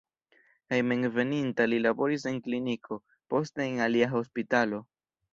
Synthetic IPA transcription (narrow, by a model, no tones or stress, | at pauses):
kajme̞nve̞nintalilabo̞ɾis̬e̞ŋklinikʰo̞ | po̞ste̞ːnaliaɦo̞spitalo̞